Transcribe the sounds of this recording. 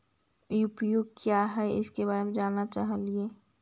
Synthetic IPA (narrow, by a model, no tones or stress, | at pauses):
ʊpjoːɡ̚kjaɦɛɪ̰skebaːɾemẽd͡ʒaːnːat͡ʃaːɦlie